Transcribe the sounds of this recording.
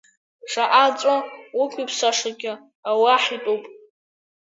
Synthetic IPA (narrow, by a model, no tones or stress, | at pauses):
ʂʰaʔat͡sʷʼawʊkʷʼipʰsaʂaɡʲɪ | awaħitʼowpʼ